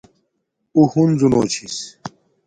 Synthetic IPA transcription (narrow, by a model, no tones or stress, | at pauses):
uhunzuno̰ːt͡ɕʰis